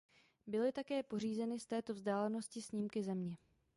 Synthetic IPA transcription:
bɪlɪt̪akɛːpo̞riːzɛnɪst̪ɛːt̪o̞vzdaːlɛno̞scɪsɲɪmkɪzɛmɲɛ

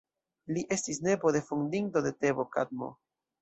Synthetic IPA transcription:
liʔe̞stisne̞bo̞de̞fundinto̞de̞te̞bo̞ka̰d̪̚mo̞̰

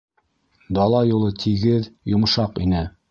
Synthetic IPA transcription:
d̪ɑlˠɑjulˠɤt̪ʰiɡɘðjŏmʃɑqinɘ

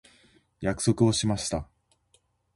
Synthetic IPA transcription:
jakɯ̟̥so̞kɯ̟o̞ɕimaɕi̥t̪a

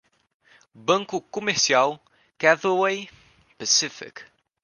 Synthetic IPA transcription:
bɐ̃ŋkukɔmɛɾsialˠ | kaðəwej | pəsɪfɪ̰k

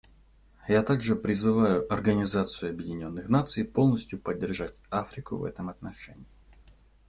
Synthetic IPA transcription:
jat̪aɡʐɨpɾʲɪzɨvajʊʔɐrɡənʲɪzat̪sɨjʊɐbjɪdʲɪnʲo̞nːɨxnat̪sɨɪjpo̞lˠnəsʲtʲjʊpədʲːɪrʐatʲafɾʲɪkʊ̰vɛ̰t̪əmɐt̪nɐʂɛ̰nʲɪː

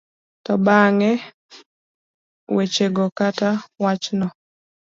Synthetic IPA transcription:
tɔbaŋɛ | wet͡ʃeɡɔkatawat͡ʃnɔ

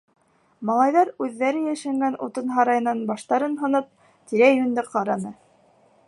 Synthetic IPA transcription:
mɑlˠɑjðɑɾʉðːæɾɘjæʃæŋɡænṵt̪ɤnɦɑɾɑjɤ̆nɑnbɑʃt̪ɑɾɤnɦɤ̆nɤp̚ | t̪iɾæjɵ̆nd̪ɘqɑɾɑnɤ

